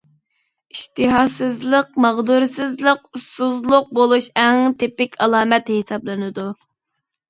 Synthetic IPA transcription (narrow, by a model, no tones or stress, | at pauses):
iʃt̪ɨɦɑsɨzlˠəqmɑʁd̪uɾsɨzlˠəqusuzlˠʊq̚bolˠuʃɛŋt̪ʰepɪkʲʰɑlˠɑːmɛt̪hesɑblˠɨnɨd̪u